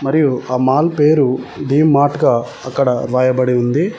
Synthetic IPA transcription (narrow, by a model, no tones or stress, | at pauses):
mɐɾijuaːmaːlpeːɾud̪iːmːaːʈɡaː | ɐkːɐɽɐɾʋaːjɐbɐɽiund̪i